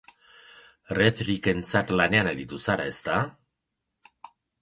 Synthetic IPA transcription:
reθɾike̞nt͡sat̪lane̞ane̞ɾit̪usaɾae̞st̪a

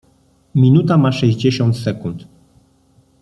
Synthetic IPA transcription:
mʲinut̪amaʂɛʑd͡ʑeɕɔnt̪sɛkunt̪

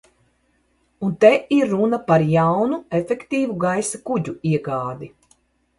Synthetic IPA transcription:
unt̪ɛʔiɾːunapaɾjawnuefʲekt̪iːvuɡajsakuɟuiɛɡaːd̪i

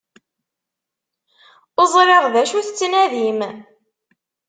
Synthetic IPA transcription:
ozˤɾeʁðæʃuθt͡sːnæðim

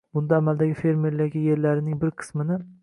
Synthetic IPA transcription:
bʊnd̪aːmald̪aɡʲɪfe̞ɾme̞ɾlaɡʲɪje̞ɾlaɾɪnɪŋbɪɾqʰɨ̥smɪnɪ

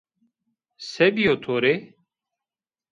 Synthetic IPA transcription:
sebijoːt̪ʰoːɾe

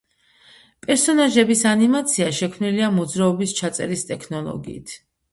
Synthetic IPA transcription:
pʼɛɾsɔnaʒɛbisanimat̪sʰiaʃɛkʰmniliamɔd̪zɾaɔbist͡ʃʰat̪sʼɛ̰ɾist̪ʼɛkʰnɔlˠɔ̰ɡḭːt̪ʰ

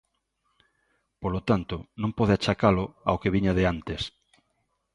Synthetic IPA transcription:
polot̪ant̪onõmpɔðeat͡ʃakalʊaokeβiɲaðeant̪es

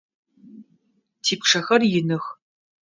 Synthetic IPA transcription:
tʰiːpʂɐxɐrjɪnɨx

